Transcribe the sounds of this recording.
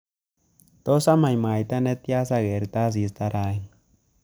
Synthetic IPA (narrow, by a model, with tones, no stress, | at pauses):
t̪o˦sa˦ma˨jma˨jt̪a˦ne˧t̪ja˦sa˧ɡe˨ɾt̪a˦s̬i˧˦st̪a˧ɾa˧e˦n